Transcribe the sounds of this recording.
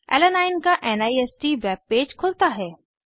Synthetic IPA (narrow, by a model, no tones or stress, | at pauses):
ɛ̰ːlənaːɪnkaʔɛnaːiɛːsʈiʋɛːbːeːd͡ʒkʰʊlt̪aɦɛː